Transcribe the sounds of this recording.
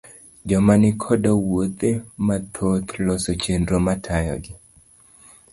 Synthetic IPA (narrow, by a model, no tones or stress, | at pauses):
d͡ʒɔmanɪkʰɔdɔwot̪emat̪ʰot̪lɔsɔt͡ʃendɾomatʰajɔ̰ɡɪ